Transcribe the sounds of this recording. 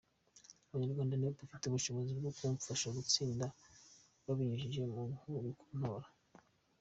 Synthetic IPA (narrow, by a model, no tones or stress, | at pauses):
uβaɲaɾɡwaːndanaopafiteuβuʃoβozibɡokuɱfaʃaɡut͡siːnda | βaβiɲuʒiʒe̞muhuβikʰu̥n̥oɾa